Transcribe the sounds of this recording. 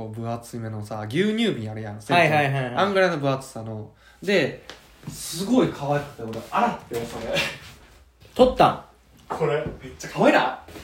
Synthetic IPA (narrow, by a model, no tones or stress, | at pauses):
obɯ̟at͡sɨime̞no̞saɡʲɨːɲ̟ʲɨːmʲiaɾejãnseaihaiɦaãŋɡaɾenobɯ̟at͡sɨ̥sano | d̪e̞ | sɨɡo̞ikʰaβaikɯ̥t̪ːekoɾoaɾat̪ːeosoɾe | t̪ot̪ːã̰ | kʰo̞ɾemet͡ɕːakʰaβaina